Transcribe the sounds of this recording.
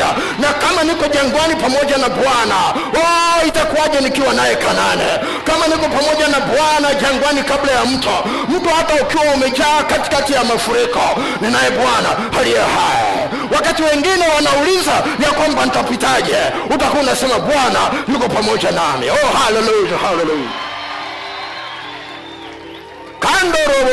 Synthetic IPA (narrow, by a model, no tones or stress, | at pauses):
a | nakamanikɔʄaŋɡwanipamɔʄanabwana | ɔitakuaʄɛnikiwanajɛkʰananɛ | kamanikɔpamɔʄanabwanaʄaŋɡwanikablajam̩tʰu | m̩tuhataukiwaumɛʄaːkati̥katijamafuɾikɔ | ninajɛbwana | halijɛhajɛ̰ | wakatiwɛŋɡinɛwanaulizajakwamban̩tapitaʄɛutakunasɛmabwanajukɔpamɔʄanamiɔhalɛlujahalɛluja | kandɔɾɔ